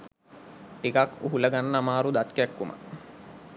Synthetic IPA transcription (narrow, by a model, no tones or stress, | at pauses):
ʈikakuɦuləɡanːəamaːɾud̪at̪kækːumə̰